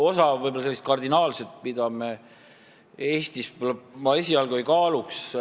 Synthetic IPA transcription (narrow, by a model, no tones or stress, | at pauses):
o̞sɑvɤjbolɑselːist̪̚kɑrd̪inɑːlset̪̚pid̪ɑme | e̞ːst̪isvbolɑmɑe̞sʲiɑlɡuojkɑːluks